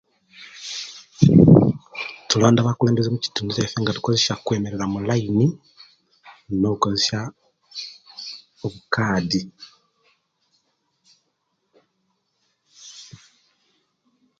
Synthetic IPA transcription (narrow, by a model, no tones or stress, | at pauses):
tuloːndaβakuleːmbezemuci̥tuːnduzefeːŋɡatu̥koze̞sjakwe̞ːme̞ɾe̞ɾamulaini | no̞βuko̞zesja | oβukaːdi